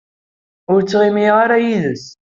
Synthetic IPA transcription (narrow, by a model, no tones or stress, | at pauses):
ʊɾt͡sːʁimiʁaɾajiðəs